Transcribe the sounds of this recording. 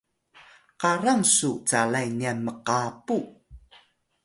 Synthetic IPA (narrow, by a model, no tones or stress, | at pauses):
qaɾaŋsut͡salajniaməqapu